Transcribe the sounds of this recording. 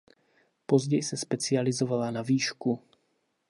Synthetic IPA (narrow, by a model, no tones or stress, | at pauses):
po̞zɟɛjsɛspɛt͡sɪalɪzo̞valanaviːʃku